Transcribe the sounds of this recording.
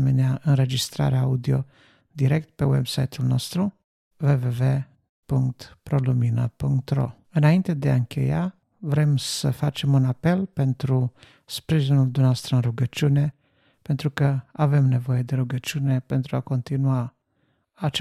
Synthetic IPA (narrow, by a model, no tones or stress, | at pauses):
meneaʔɨnɾe̞d͡ʒist̪ɾa̰ɾeaaud̪io̞̰ | d̪iɾe̞k̚t̪pe̞wḛbsajt̪ulno̞̰st̪ɾu | ve̞ve̞ve̞ | puŋkt̪pɾo̞luminə̰puŋkt̪ɾo̞̰ | ɨnaint̪e̞d̪ea̰ɨŋkʰʲe̞̰ja | vɾe̞msəfat͡ʃe̞munape̞lpe̞nt̪ɾu | spɾiʒinuld̪umneoast̪ɾəɨnruɡət͡ʃune̞ | pe̞nt̪ɾukəave̞mne̞vo̞je̞d̪e̞ɾuɡət͡ʃiune̞pe̞nt̪ɾuako̞nt̪inuaː | t͡ʃ